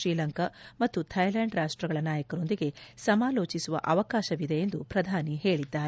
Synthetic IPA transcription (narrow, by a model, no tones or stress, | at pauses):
ʃɾiːlɐŋkɐmɐt̪ːut̪ʰɐjlɐɳɖɾaːʂʈɾɐɡɐɭɐnaːjɐkɐɾo̞nd̪iɡe̞sɐmaːlo̞ːt͡ʃisuʋɐ̰ʔɐʋɐkaːʃɐʋid̪ejend̪upɾɐd̪ʱaːniɦe̞ːɭid̪ːaːɾe